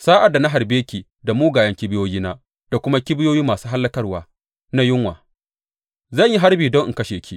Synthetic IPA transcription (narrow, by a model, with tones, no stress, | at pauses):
saː˦ʔa˨da˨na˦ɦa˨rbeː˦kʲiː˨ | da˨muː˦ɡaː˨jɐ˦ŋkʲɪ˦bɪ˦joː˦jiː˦naː˦ | d̥a˨kʷʊ˦ma˦kʲɪ˦bɪ˦joː˦jiː˦maː˨suː˦ɦa˦lːɐ˦kɐ˦rwaː˨ | na˦jɪ˦ŋwa̰ː˨ | zɐ˦˨ɲji˦ɦa˦rbiː˨dɔ˦ŋʔɪ̰˨kɐ˦ʃeː˨kʲʰi˦˨